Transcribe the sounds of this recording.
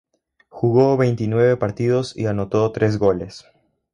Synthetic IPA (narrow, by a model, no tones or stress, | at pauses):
xuɣo̞βe̞jnt̪inwe̞βe̞paɾt̪iðo̞sḭano̞t̪o̞t̪ɾʔe̞z̬ɣo̞les